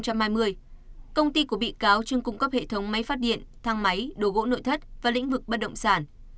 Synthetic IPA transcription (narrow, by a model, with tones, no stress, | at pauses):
ŋ͡mt͡ɕa˧mhaː˧jmɨ˧əjkə˧wŋ͡mt̪i˧ku˧˩əɓḭ˧˨kaː˨˦wt͡ɕɨ˧əŋkʊ˧ŋ͡mkə˦˥p̚hḛ˧˨t̪ʰə˨˦wŋ͡mma˨˦jfaː˦˥t̚ɗḭ˧˨ənt̪ʰaː˧ŋma˨˦jɗo˨˦ɣo̰˧˥no̰˧˨jt̪ʰə˦˥t̚vaː˨˩lḭ̈˧˥ŋ̟vɨ˨˩k̚ɓə˦˥t̚ɗə̰˧˨wŋ͡msaː˧˩n